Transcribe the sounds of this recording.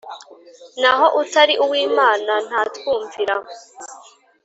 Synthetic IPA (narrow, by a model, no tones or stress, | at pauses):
naɦo̞ʔutaɾiʔuwiːmaːnan̥haːtwuːɱviɾa